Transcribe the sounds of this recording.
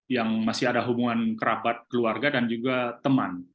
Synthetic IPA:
jaŋmasɪadaɦubuŋankəɾapat̪̚kəluarɡadand͡ʒuɡat̪əman

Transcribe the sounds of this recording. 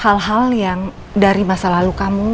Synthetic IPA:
halɦaljaŋ | daɾimasalalukamu

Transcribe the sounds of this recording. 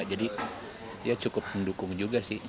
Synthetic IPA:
ad͡ʒadi | ijat͡ʃukʊp̚məndukʊŋd͡ʒuɡasɪh

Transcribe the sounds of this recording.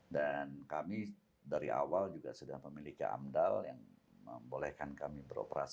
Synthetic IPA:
dankami | daɾiʔa̰wald͡ʒuɡasudaŋməmilika̰ʔa̰mdaljaŋməmbolɛhkankamibəɾo̰pəɾa̰s

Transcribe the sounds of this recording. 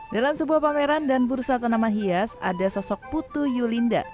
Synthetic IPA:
dalamsəbuahpameɾandanbursat̪anamaɦiasa̰dasɔsɔk̚put̪ujulinda̰

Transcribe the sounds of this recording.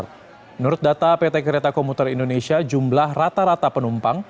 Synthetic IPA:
nʊɾʊt̪̚dat̪apet̪ekəɾet̪akɔmut̪ərindonesiad͡ʒumblahrat̪aɾat̪apənumpaŋ

